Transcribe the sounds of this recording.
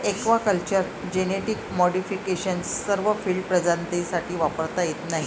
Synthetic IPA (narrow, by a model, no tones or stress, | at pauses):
ekʋakəlt͡ɕəɾ | d͡ʑeneʈikmɔɽifikeɕənsːəɾʋəfiːlɖpɾəd͡zant̪isaʈʰiːʋapəɾt̪ajet̪naɦi